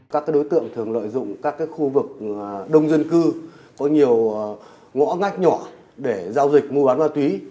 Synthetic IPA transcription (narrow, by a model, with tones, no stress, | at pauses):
kaː˦˥kaː˨˦jɗo˨˦jt̪ɨ̰˧˨əŋt̪ʰɨ˨˩əŋlə̰ː˧˨jzʊ̰˧˨ŋ͡mkaː˦˥kːaː˨˦jxu˧vɨ˨˩k̚ɗə˧wŋ͡mzə˧nkɨ˧ | kɔ˨˦ɲi˨˩əw | ŋɔ̰˧˥ŋa˦˥jk̟̚ɲɔ˧˩ | ɗe˧˩zaː˧wzï˨˩k̟̚mu˧ɓaː˨˦nmaː˧t̪wi˨˦